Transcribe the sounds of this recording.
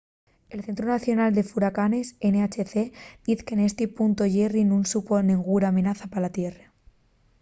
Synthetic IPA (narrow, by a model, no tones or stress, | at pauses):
e̞lθe̞nt̪̬ɾunaθjo̞nald̪e̞fuɾakane̞seneat͡ʃeθed̪iθkenest̪ipunt̪oʝerinũnsupo̞neŋɡuɾaːmenaθapalat̪jere